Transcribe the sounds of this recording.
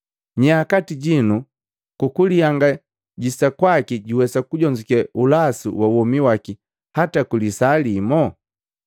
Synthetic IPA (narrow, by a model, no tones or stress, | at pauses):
ɲaːkatiɟinu | kukuliaŋɡa | ɟisakwakiɟiwɛsakuɟɔɲd͡ʒikɛulasṵwauwɔmiwaki | hatakulisalimɔ